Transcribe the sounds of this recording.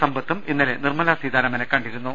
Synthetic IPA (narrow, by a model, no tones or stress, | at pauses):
sɐmbɐt̪ːuminːilenirmɐlasiːd̪ʱaːɾɐmɐnɐkːɐɳɖiɾunːu